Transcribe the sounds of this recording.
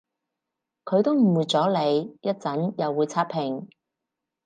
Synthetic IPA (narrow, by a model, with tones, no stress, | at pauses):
kʰɵ˨˧ɥt̪o˥wm̩˨˩wuː˨t͡sɔː˨˥le˨˧jjɐ˥t̚t͡sɐ˨˥njɐ˨wːuː˨˧jt͡sʰaː˥pʰɪ˨˩ŋ